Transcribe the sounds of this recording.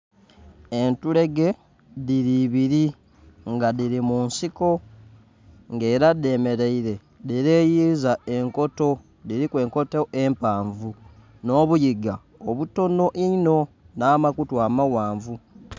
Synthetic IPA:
e̞ntule̞ɡe̞ | ðiɾiβiɾi | ŋɡadiɾimunsiko̞ | ŋɡe̞ːɾade̞ːme̞ɾeiɾe̞ | diɾeːjizae̞ŋko̞to̞ | diɾikwe̞ːŋko̞teʔempaːɱvu | no̞ːβujiɡa | oβuto̞no̞ʔino̞ | naːmakutwaːmawaːɱvu

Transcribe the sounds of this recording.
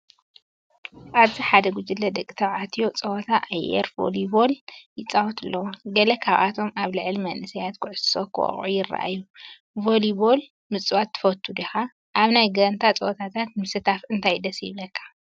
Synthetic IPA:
ʔaβziħad̪ɐɡʷud͡ʒilːɐd̪ɐkʼːit̪ʰɐβʕat̪ʰijo̞t͡sʼɐwt̪ʰaʔajʔḛɾvo̰liboljɪt͡sʼawɔt̪ʰɨlːɐwoɡɐlɐkʰaβʔat̪ʰo̞mʔaβlɨʕlmɐnʔɨsɐjat̪kʰɨʕʊsɨ̥sokʰɨwo̰χʼʕṵjɪrːa̰ʔa̰jːu | volibol | mɨt͡sʼuwat̪ʰːɨ̥fɐt̪ʰːud̪ixa | ʔaβnajɡɐnt̪ʰat͡sʼɐwt̪ʰat̪ʰat̪̚mɨsɨt̪ʰafɨnt̪ʰajd̪ɐsjɪβlɐkʰːḁ

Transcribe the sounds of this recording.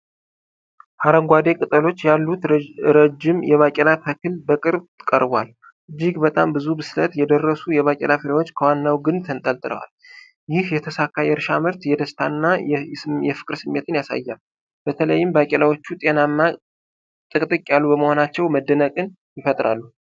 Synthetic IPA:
haɾəŋɡʷad̪e̞kʼɨt̪ʼəlo̞t͡ʃːjalːut̪ɾəd͡ʒɪmjɛβakʼɛlatʰəkʰɨlbəkʼɨɾβkʼə̰ɾbwal | ʔɨd͡ʒːiɡbət̪ʼambɨzubɨslət̪jɛd̪ərːəsujɛβakʼɛ̰lafɨɾewo̞t͡ʃːkʰəwanːawɡɨnt̪ʰənt̪ʼəlt̪ʼɨlə̰wa̰l | jɪhjɛt̪ʰəsakʰːajɛɾʃamɨɾt̪jɛd̪əst̪ʰanːa | jɛfɨ̥kʼɾsɨmːe̞t̪ʰɨnjasa̰jːal | bət̪ʰələjːɪmbakʼɛlawot͡ʃːut̪ʼe̞namːa | t̪ʼɨkʼt̪ʼɨkʼjalːubəməho̞nat͡ʃːɛwməd̪ːənəkʼɨn | jɪfət̪ʼɾa̰lːu

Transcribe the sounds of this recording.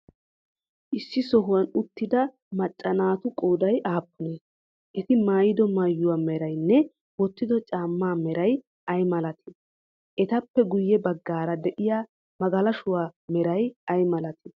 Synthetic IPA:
ʔɪsːɪsɔɦʊwɐnʊt̪ːɪd̪ɐ | mɐt͡ʃʼːɐnaːt̪ʊkʼoːd̪ɐjʔaːpːʊne | ʔɛt̪ɪmaːjɪd̪ɔmajːʊwaːmɛɾɐjnːɛ | wɔt̪ːɪd̪ɔt͡ʃʼaːmːaːmɛɾɐj | ʔɐjmɐlɐt̪ʰɪ̥ | ʔɛt̪ɐpːɛɡʊjːɛbɐɡːaːɾɐd̪ɛʔɪjaː | mɐɡɐlɐʃʊwaːmɛɾɐjɐjmɐlɐt̪ɪ̥

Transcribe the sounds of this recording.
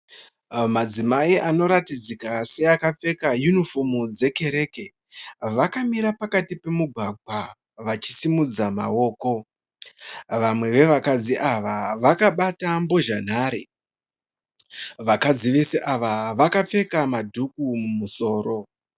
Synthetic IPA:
mad͡zimaiʔano̞ɾatid͡zikase̞akap͡fe̞kajunifo̞mud͡ze̞ke̞ɾe̞ke̞ | ʋakamiɾapakatipe̞muɡʱaɡʱwa | ʋat͡ʃi̥simud͡zama̰o̞ːko̞ | ʋamwe̞ʋe̞ʋakad͡ziʔaʋaʋakaɓatambo̞ʒan̤aːɾḛ | ʋakad͡ziʋe̞se̞ʔaʋaʋakap͡fe̞kamadʱukumumuso̞ːɾo̞

